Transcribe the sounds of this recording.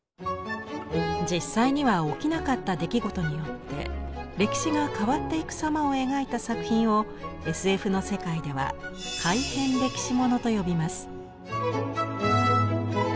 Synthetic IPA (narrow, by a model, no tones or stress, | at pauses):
d͡ʑisːaiɲ̟iβao̞kʲinakat̪ːad̪e̞kʲiɡo̞t̪o̞ɲ̟ijo̞t̪ːe̞̰ɾe̞kʲi̥ɕiɡakaβat̪ːe̞ikɯ̟̥samao̞e̞ɡait̪asakɯ̟çʲĩɰ̃o̞ | e̞sɨe̞ɸɯ̟no̞se̞kaid̪e̞βa̰kʰaihẽ̞nɾe̞kʲi̥ɕimo̞no̞t̪o̞jo̞bʲimasɨ̥